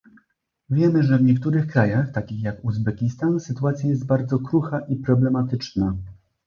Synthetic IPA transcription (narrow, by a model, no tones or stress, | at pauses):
vʲjɛmɘʐɛvɲɛkt̪uɾɘxkɾajaxt̪akʲixjakuzbɛkʲist̪ansɘt̪uat̪sʲjajɛst̪̚baɾd̪zɔkɾuxaʔipɾɔblɛmat̪ɘt͡ʂna